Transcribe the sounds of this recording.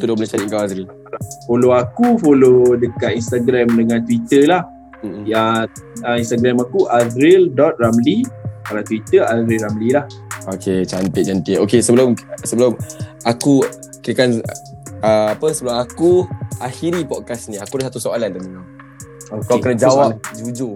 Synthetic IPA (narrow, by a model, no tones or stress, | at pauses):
t̪udabolet͡ʃaɾiʔkawazɾil | foloakufolodəkat̪̚inst̪aɡɾɛmdəŋãnt̪wit̪əlah | m̩jaəinst̪aɡɾɛmakuʔazɾɪldɔt̪̚ramlikalat̪wit̪əazɾilɾamlilah | oket͡ʃampɪt̪̚d͡ʒant̪ɪokesəbəlʊmsəbəlʊmaku | kiɾəkan | əapəsəbəlʊmakuaxiɾipɔkasnĩakudasat̪usoalandaməna | okakənad͡ʒawap̚d͡ʒud͡ʒu